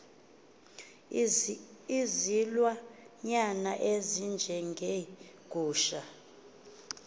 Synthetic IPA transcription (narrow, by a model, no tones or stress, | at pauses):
izilwaɲanaʔezind͡ʒʱɛŋɡʱe | ɡ̥ʱʼuːʃa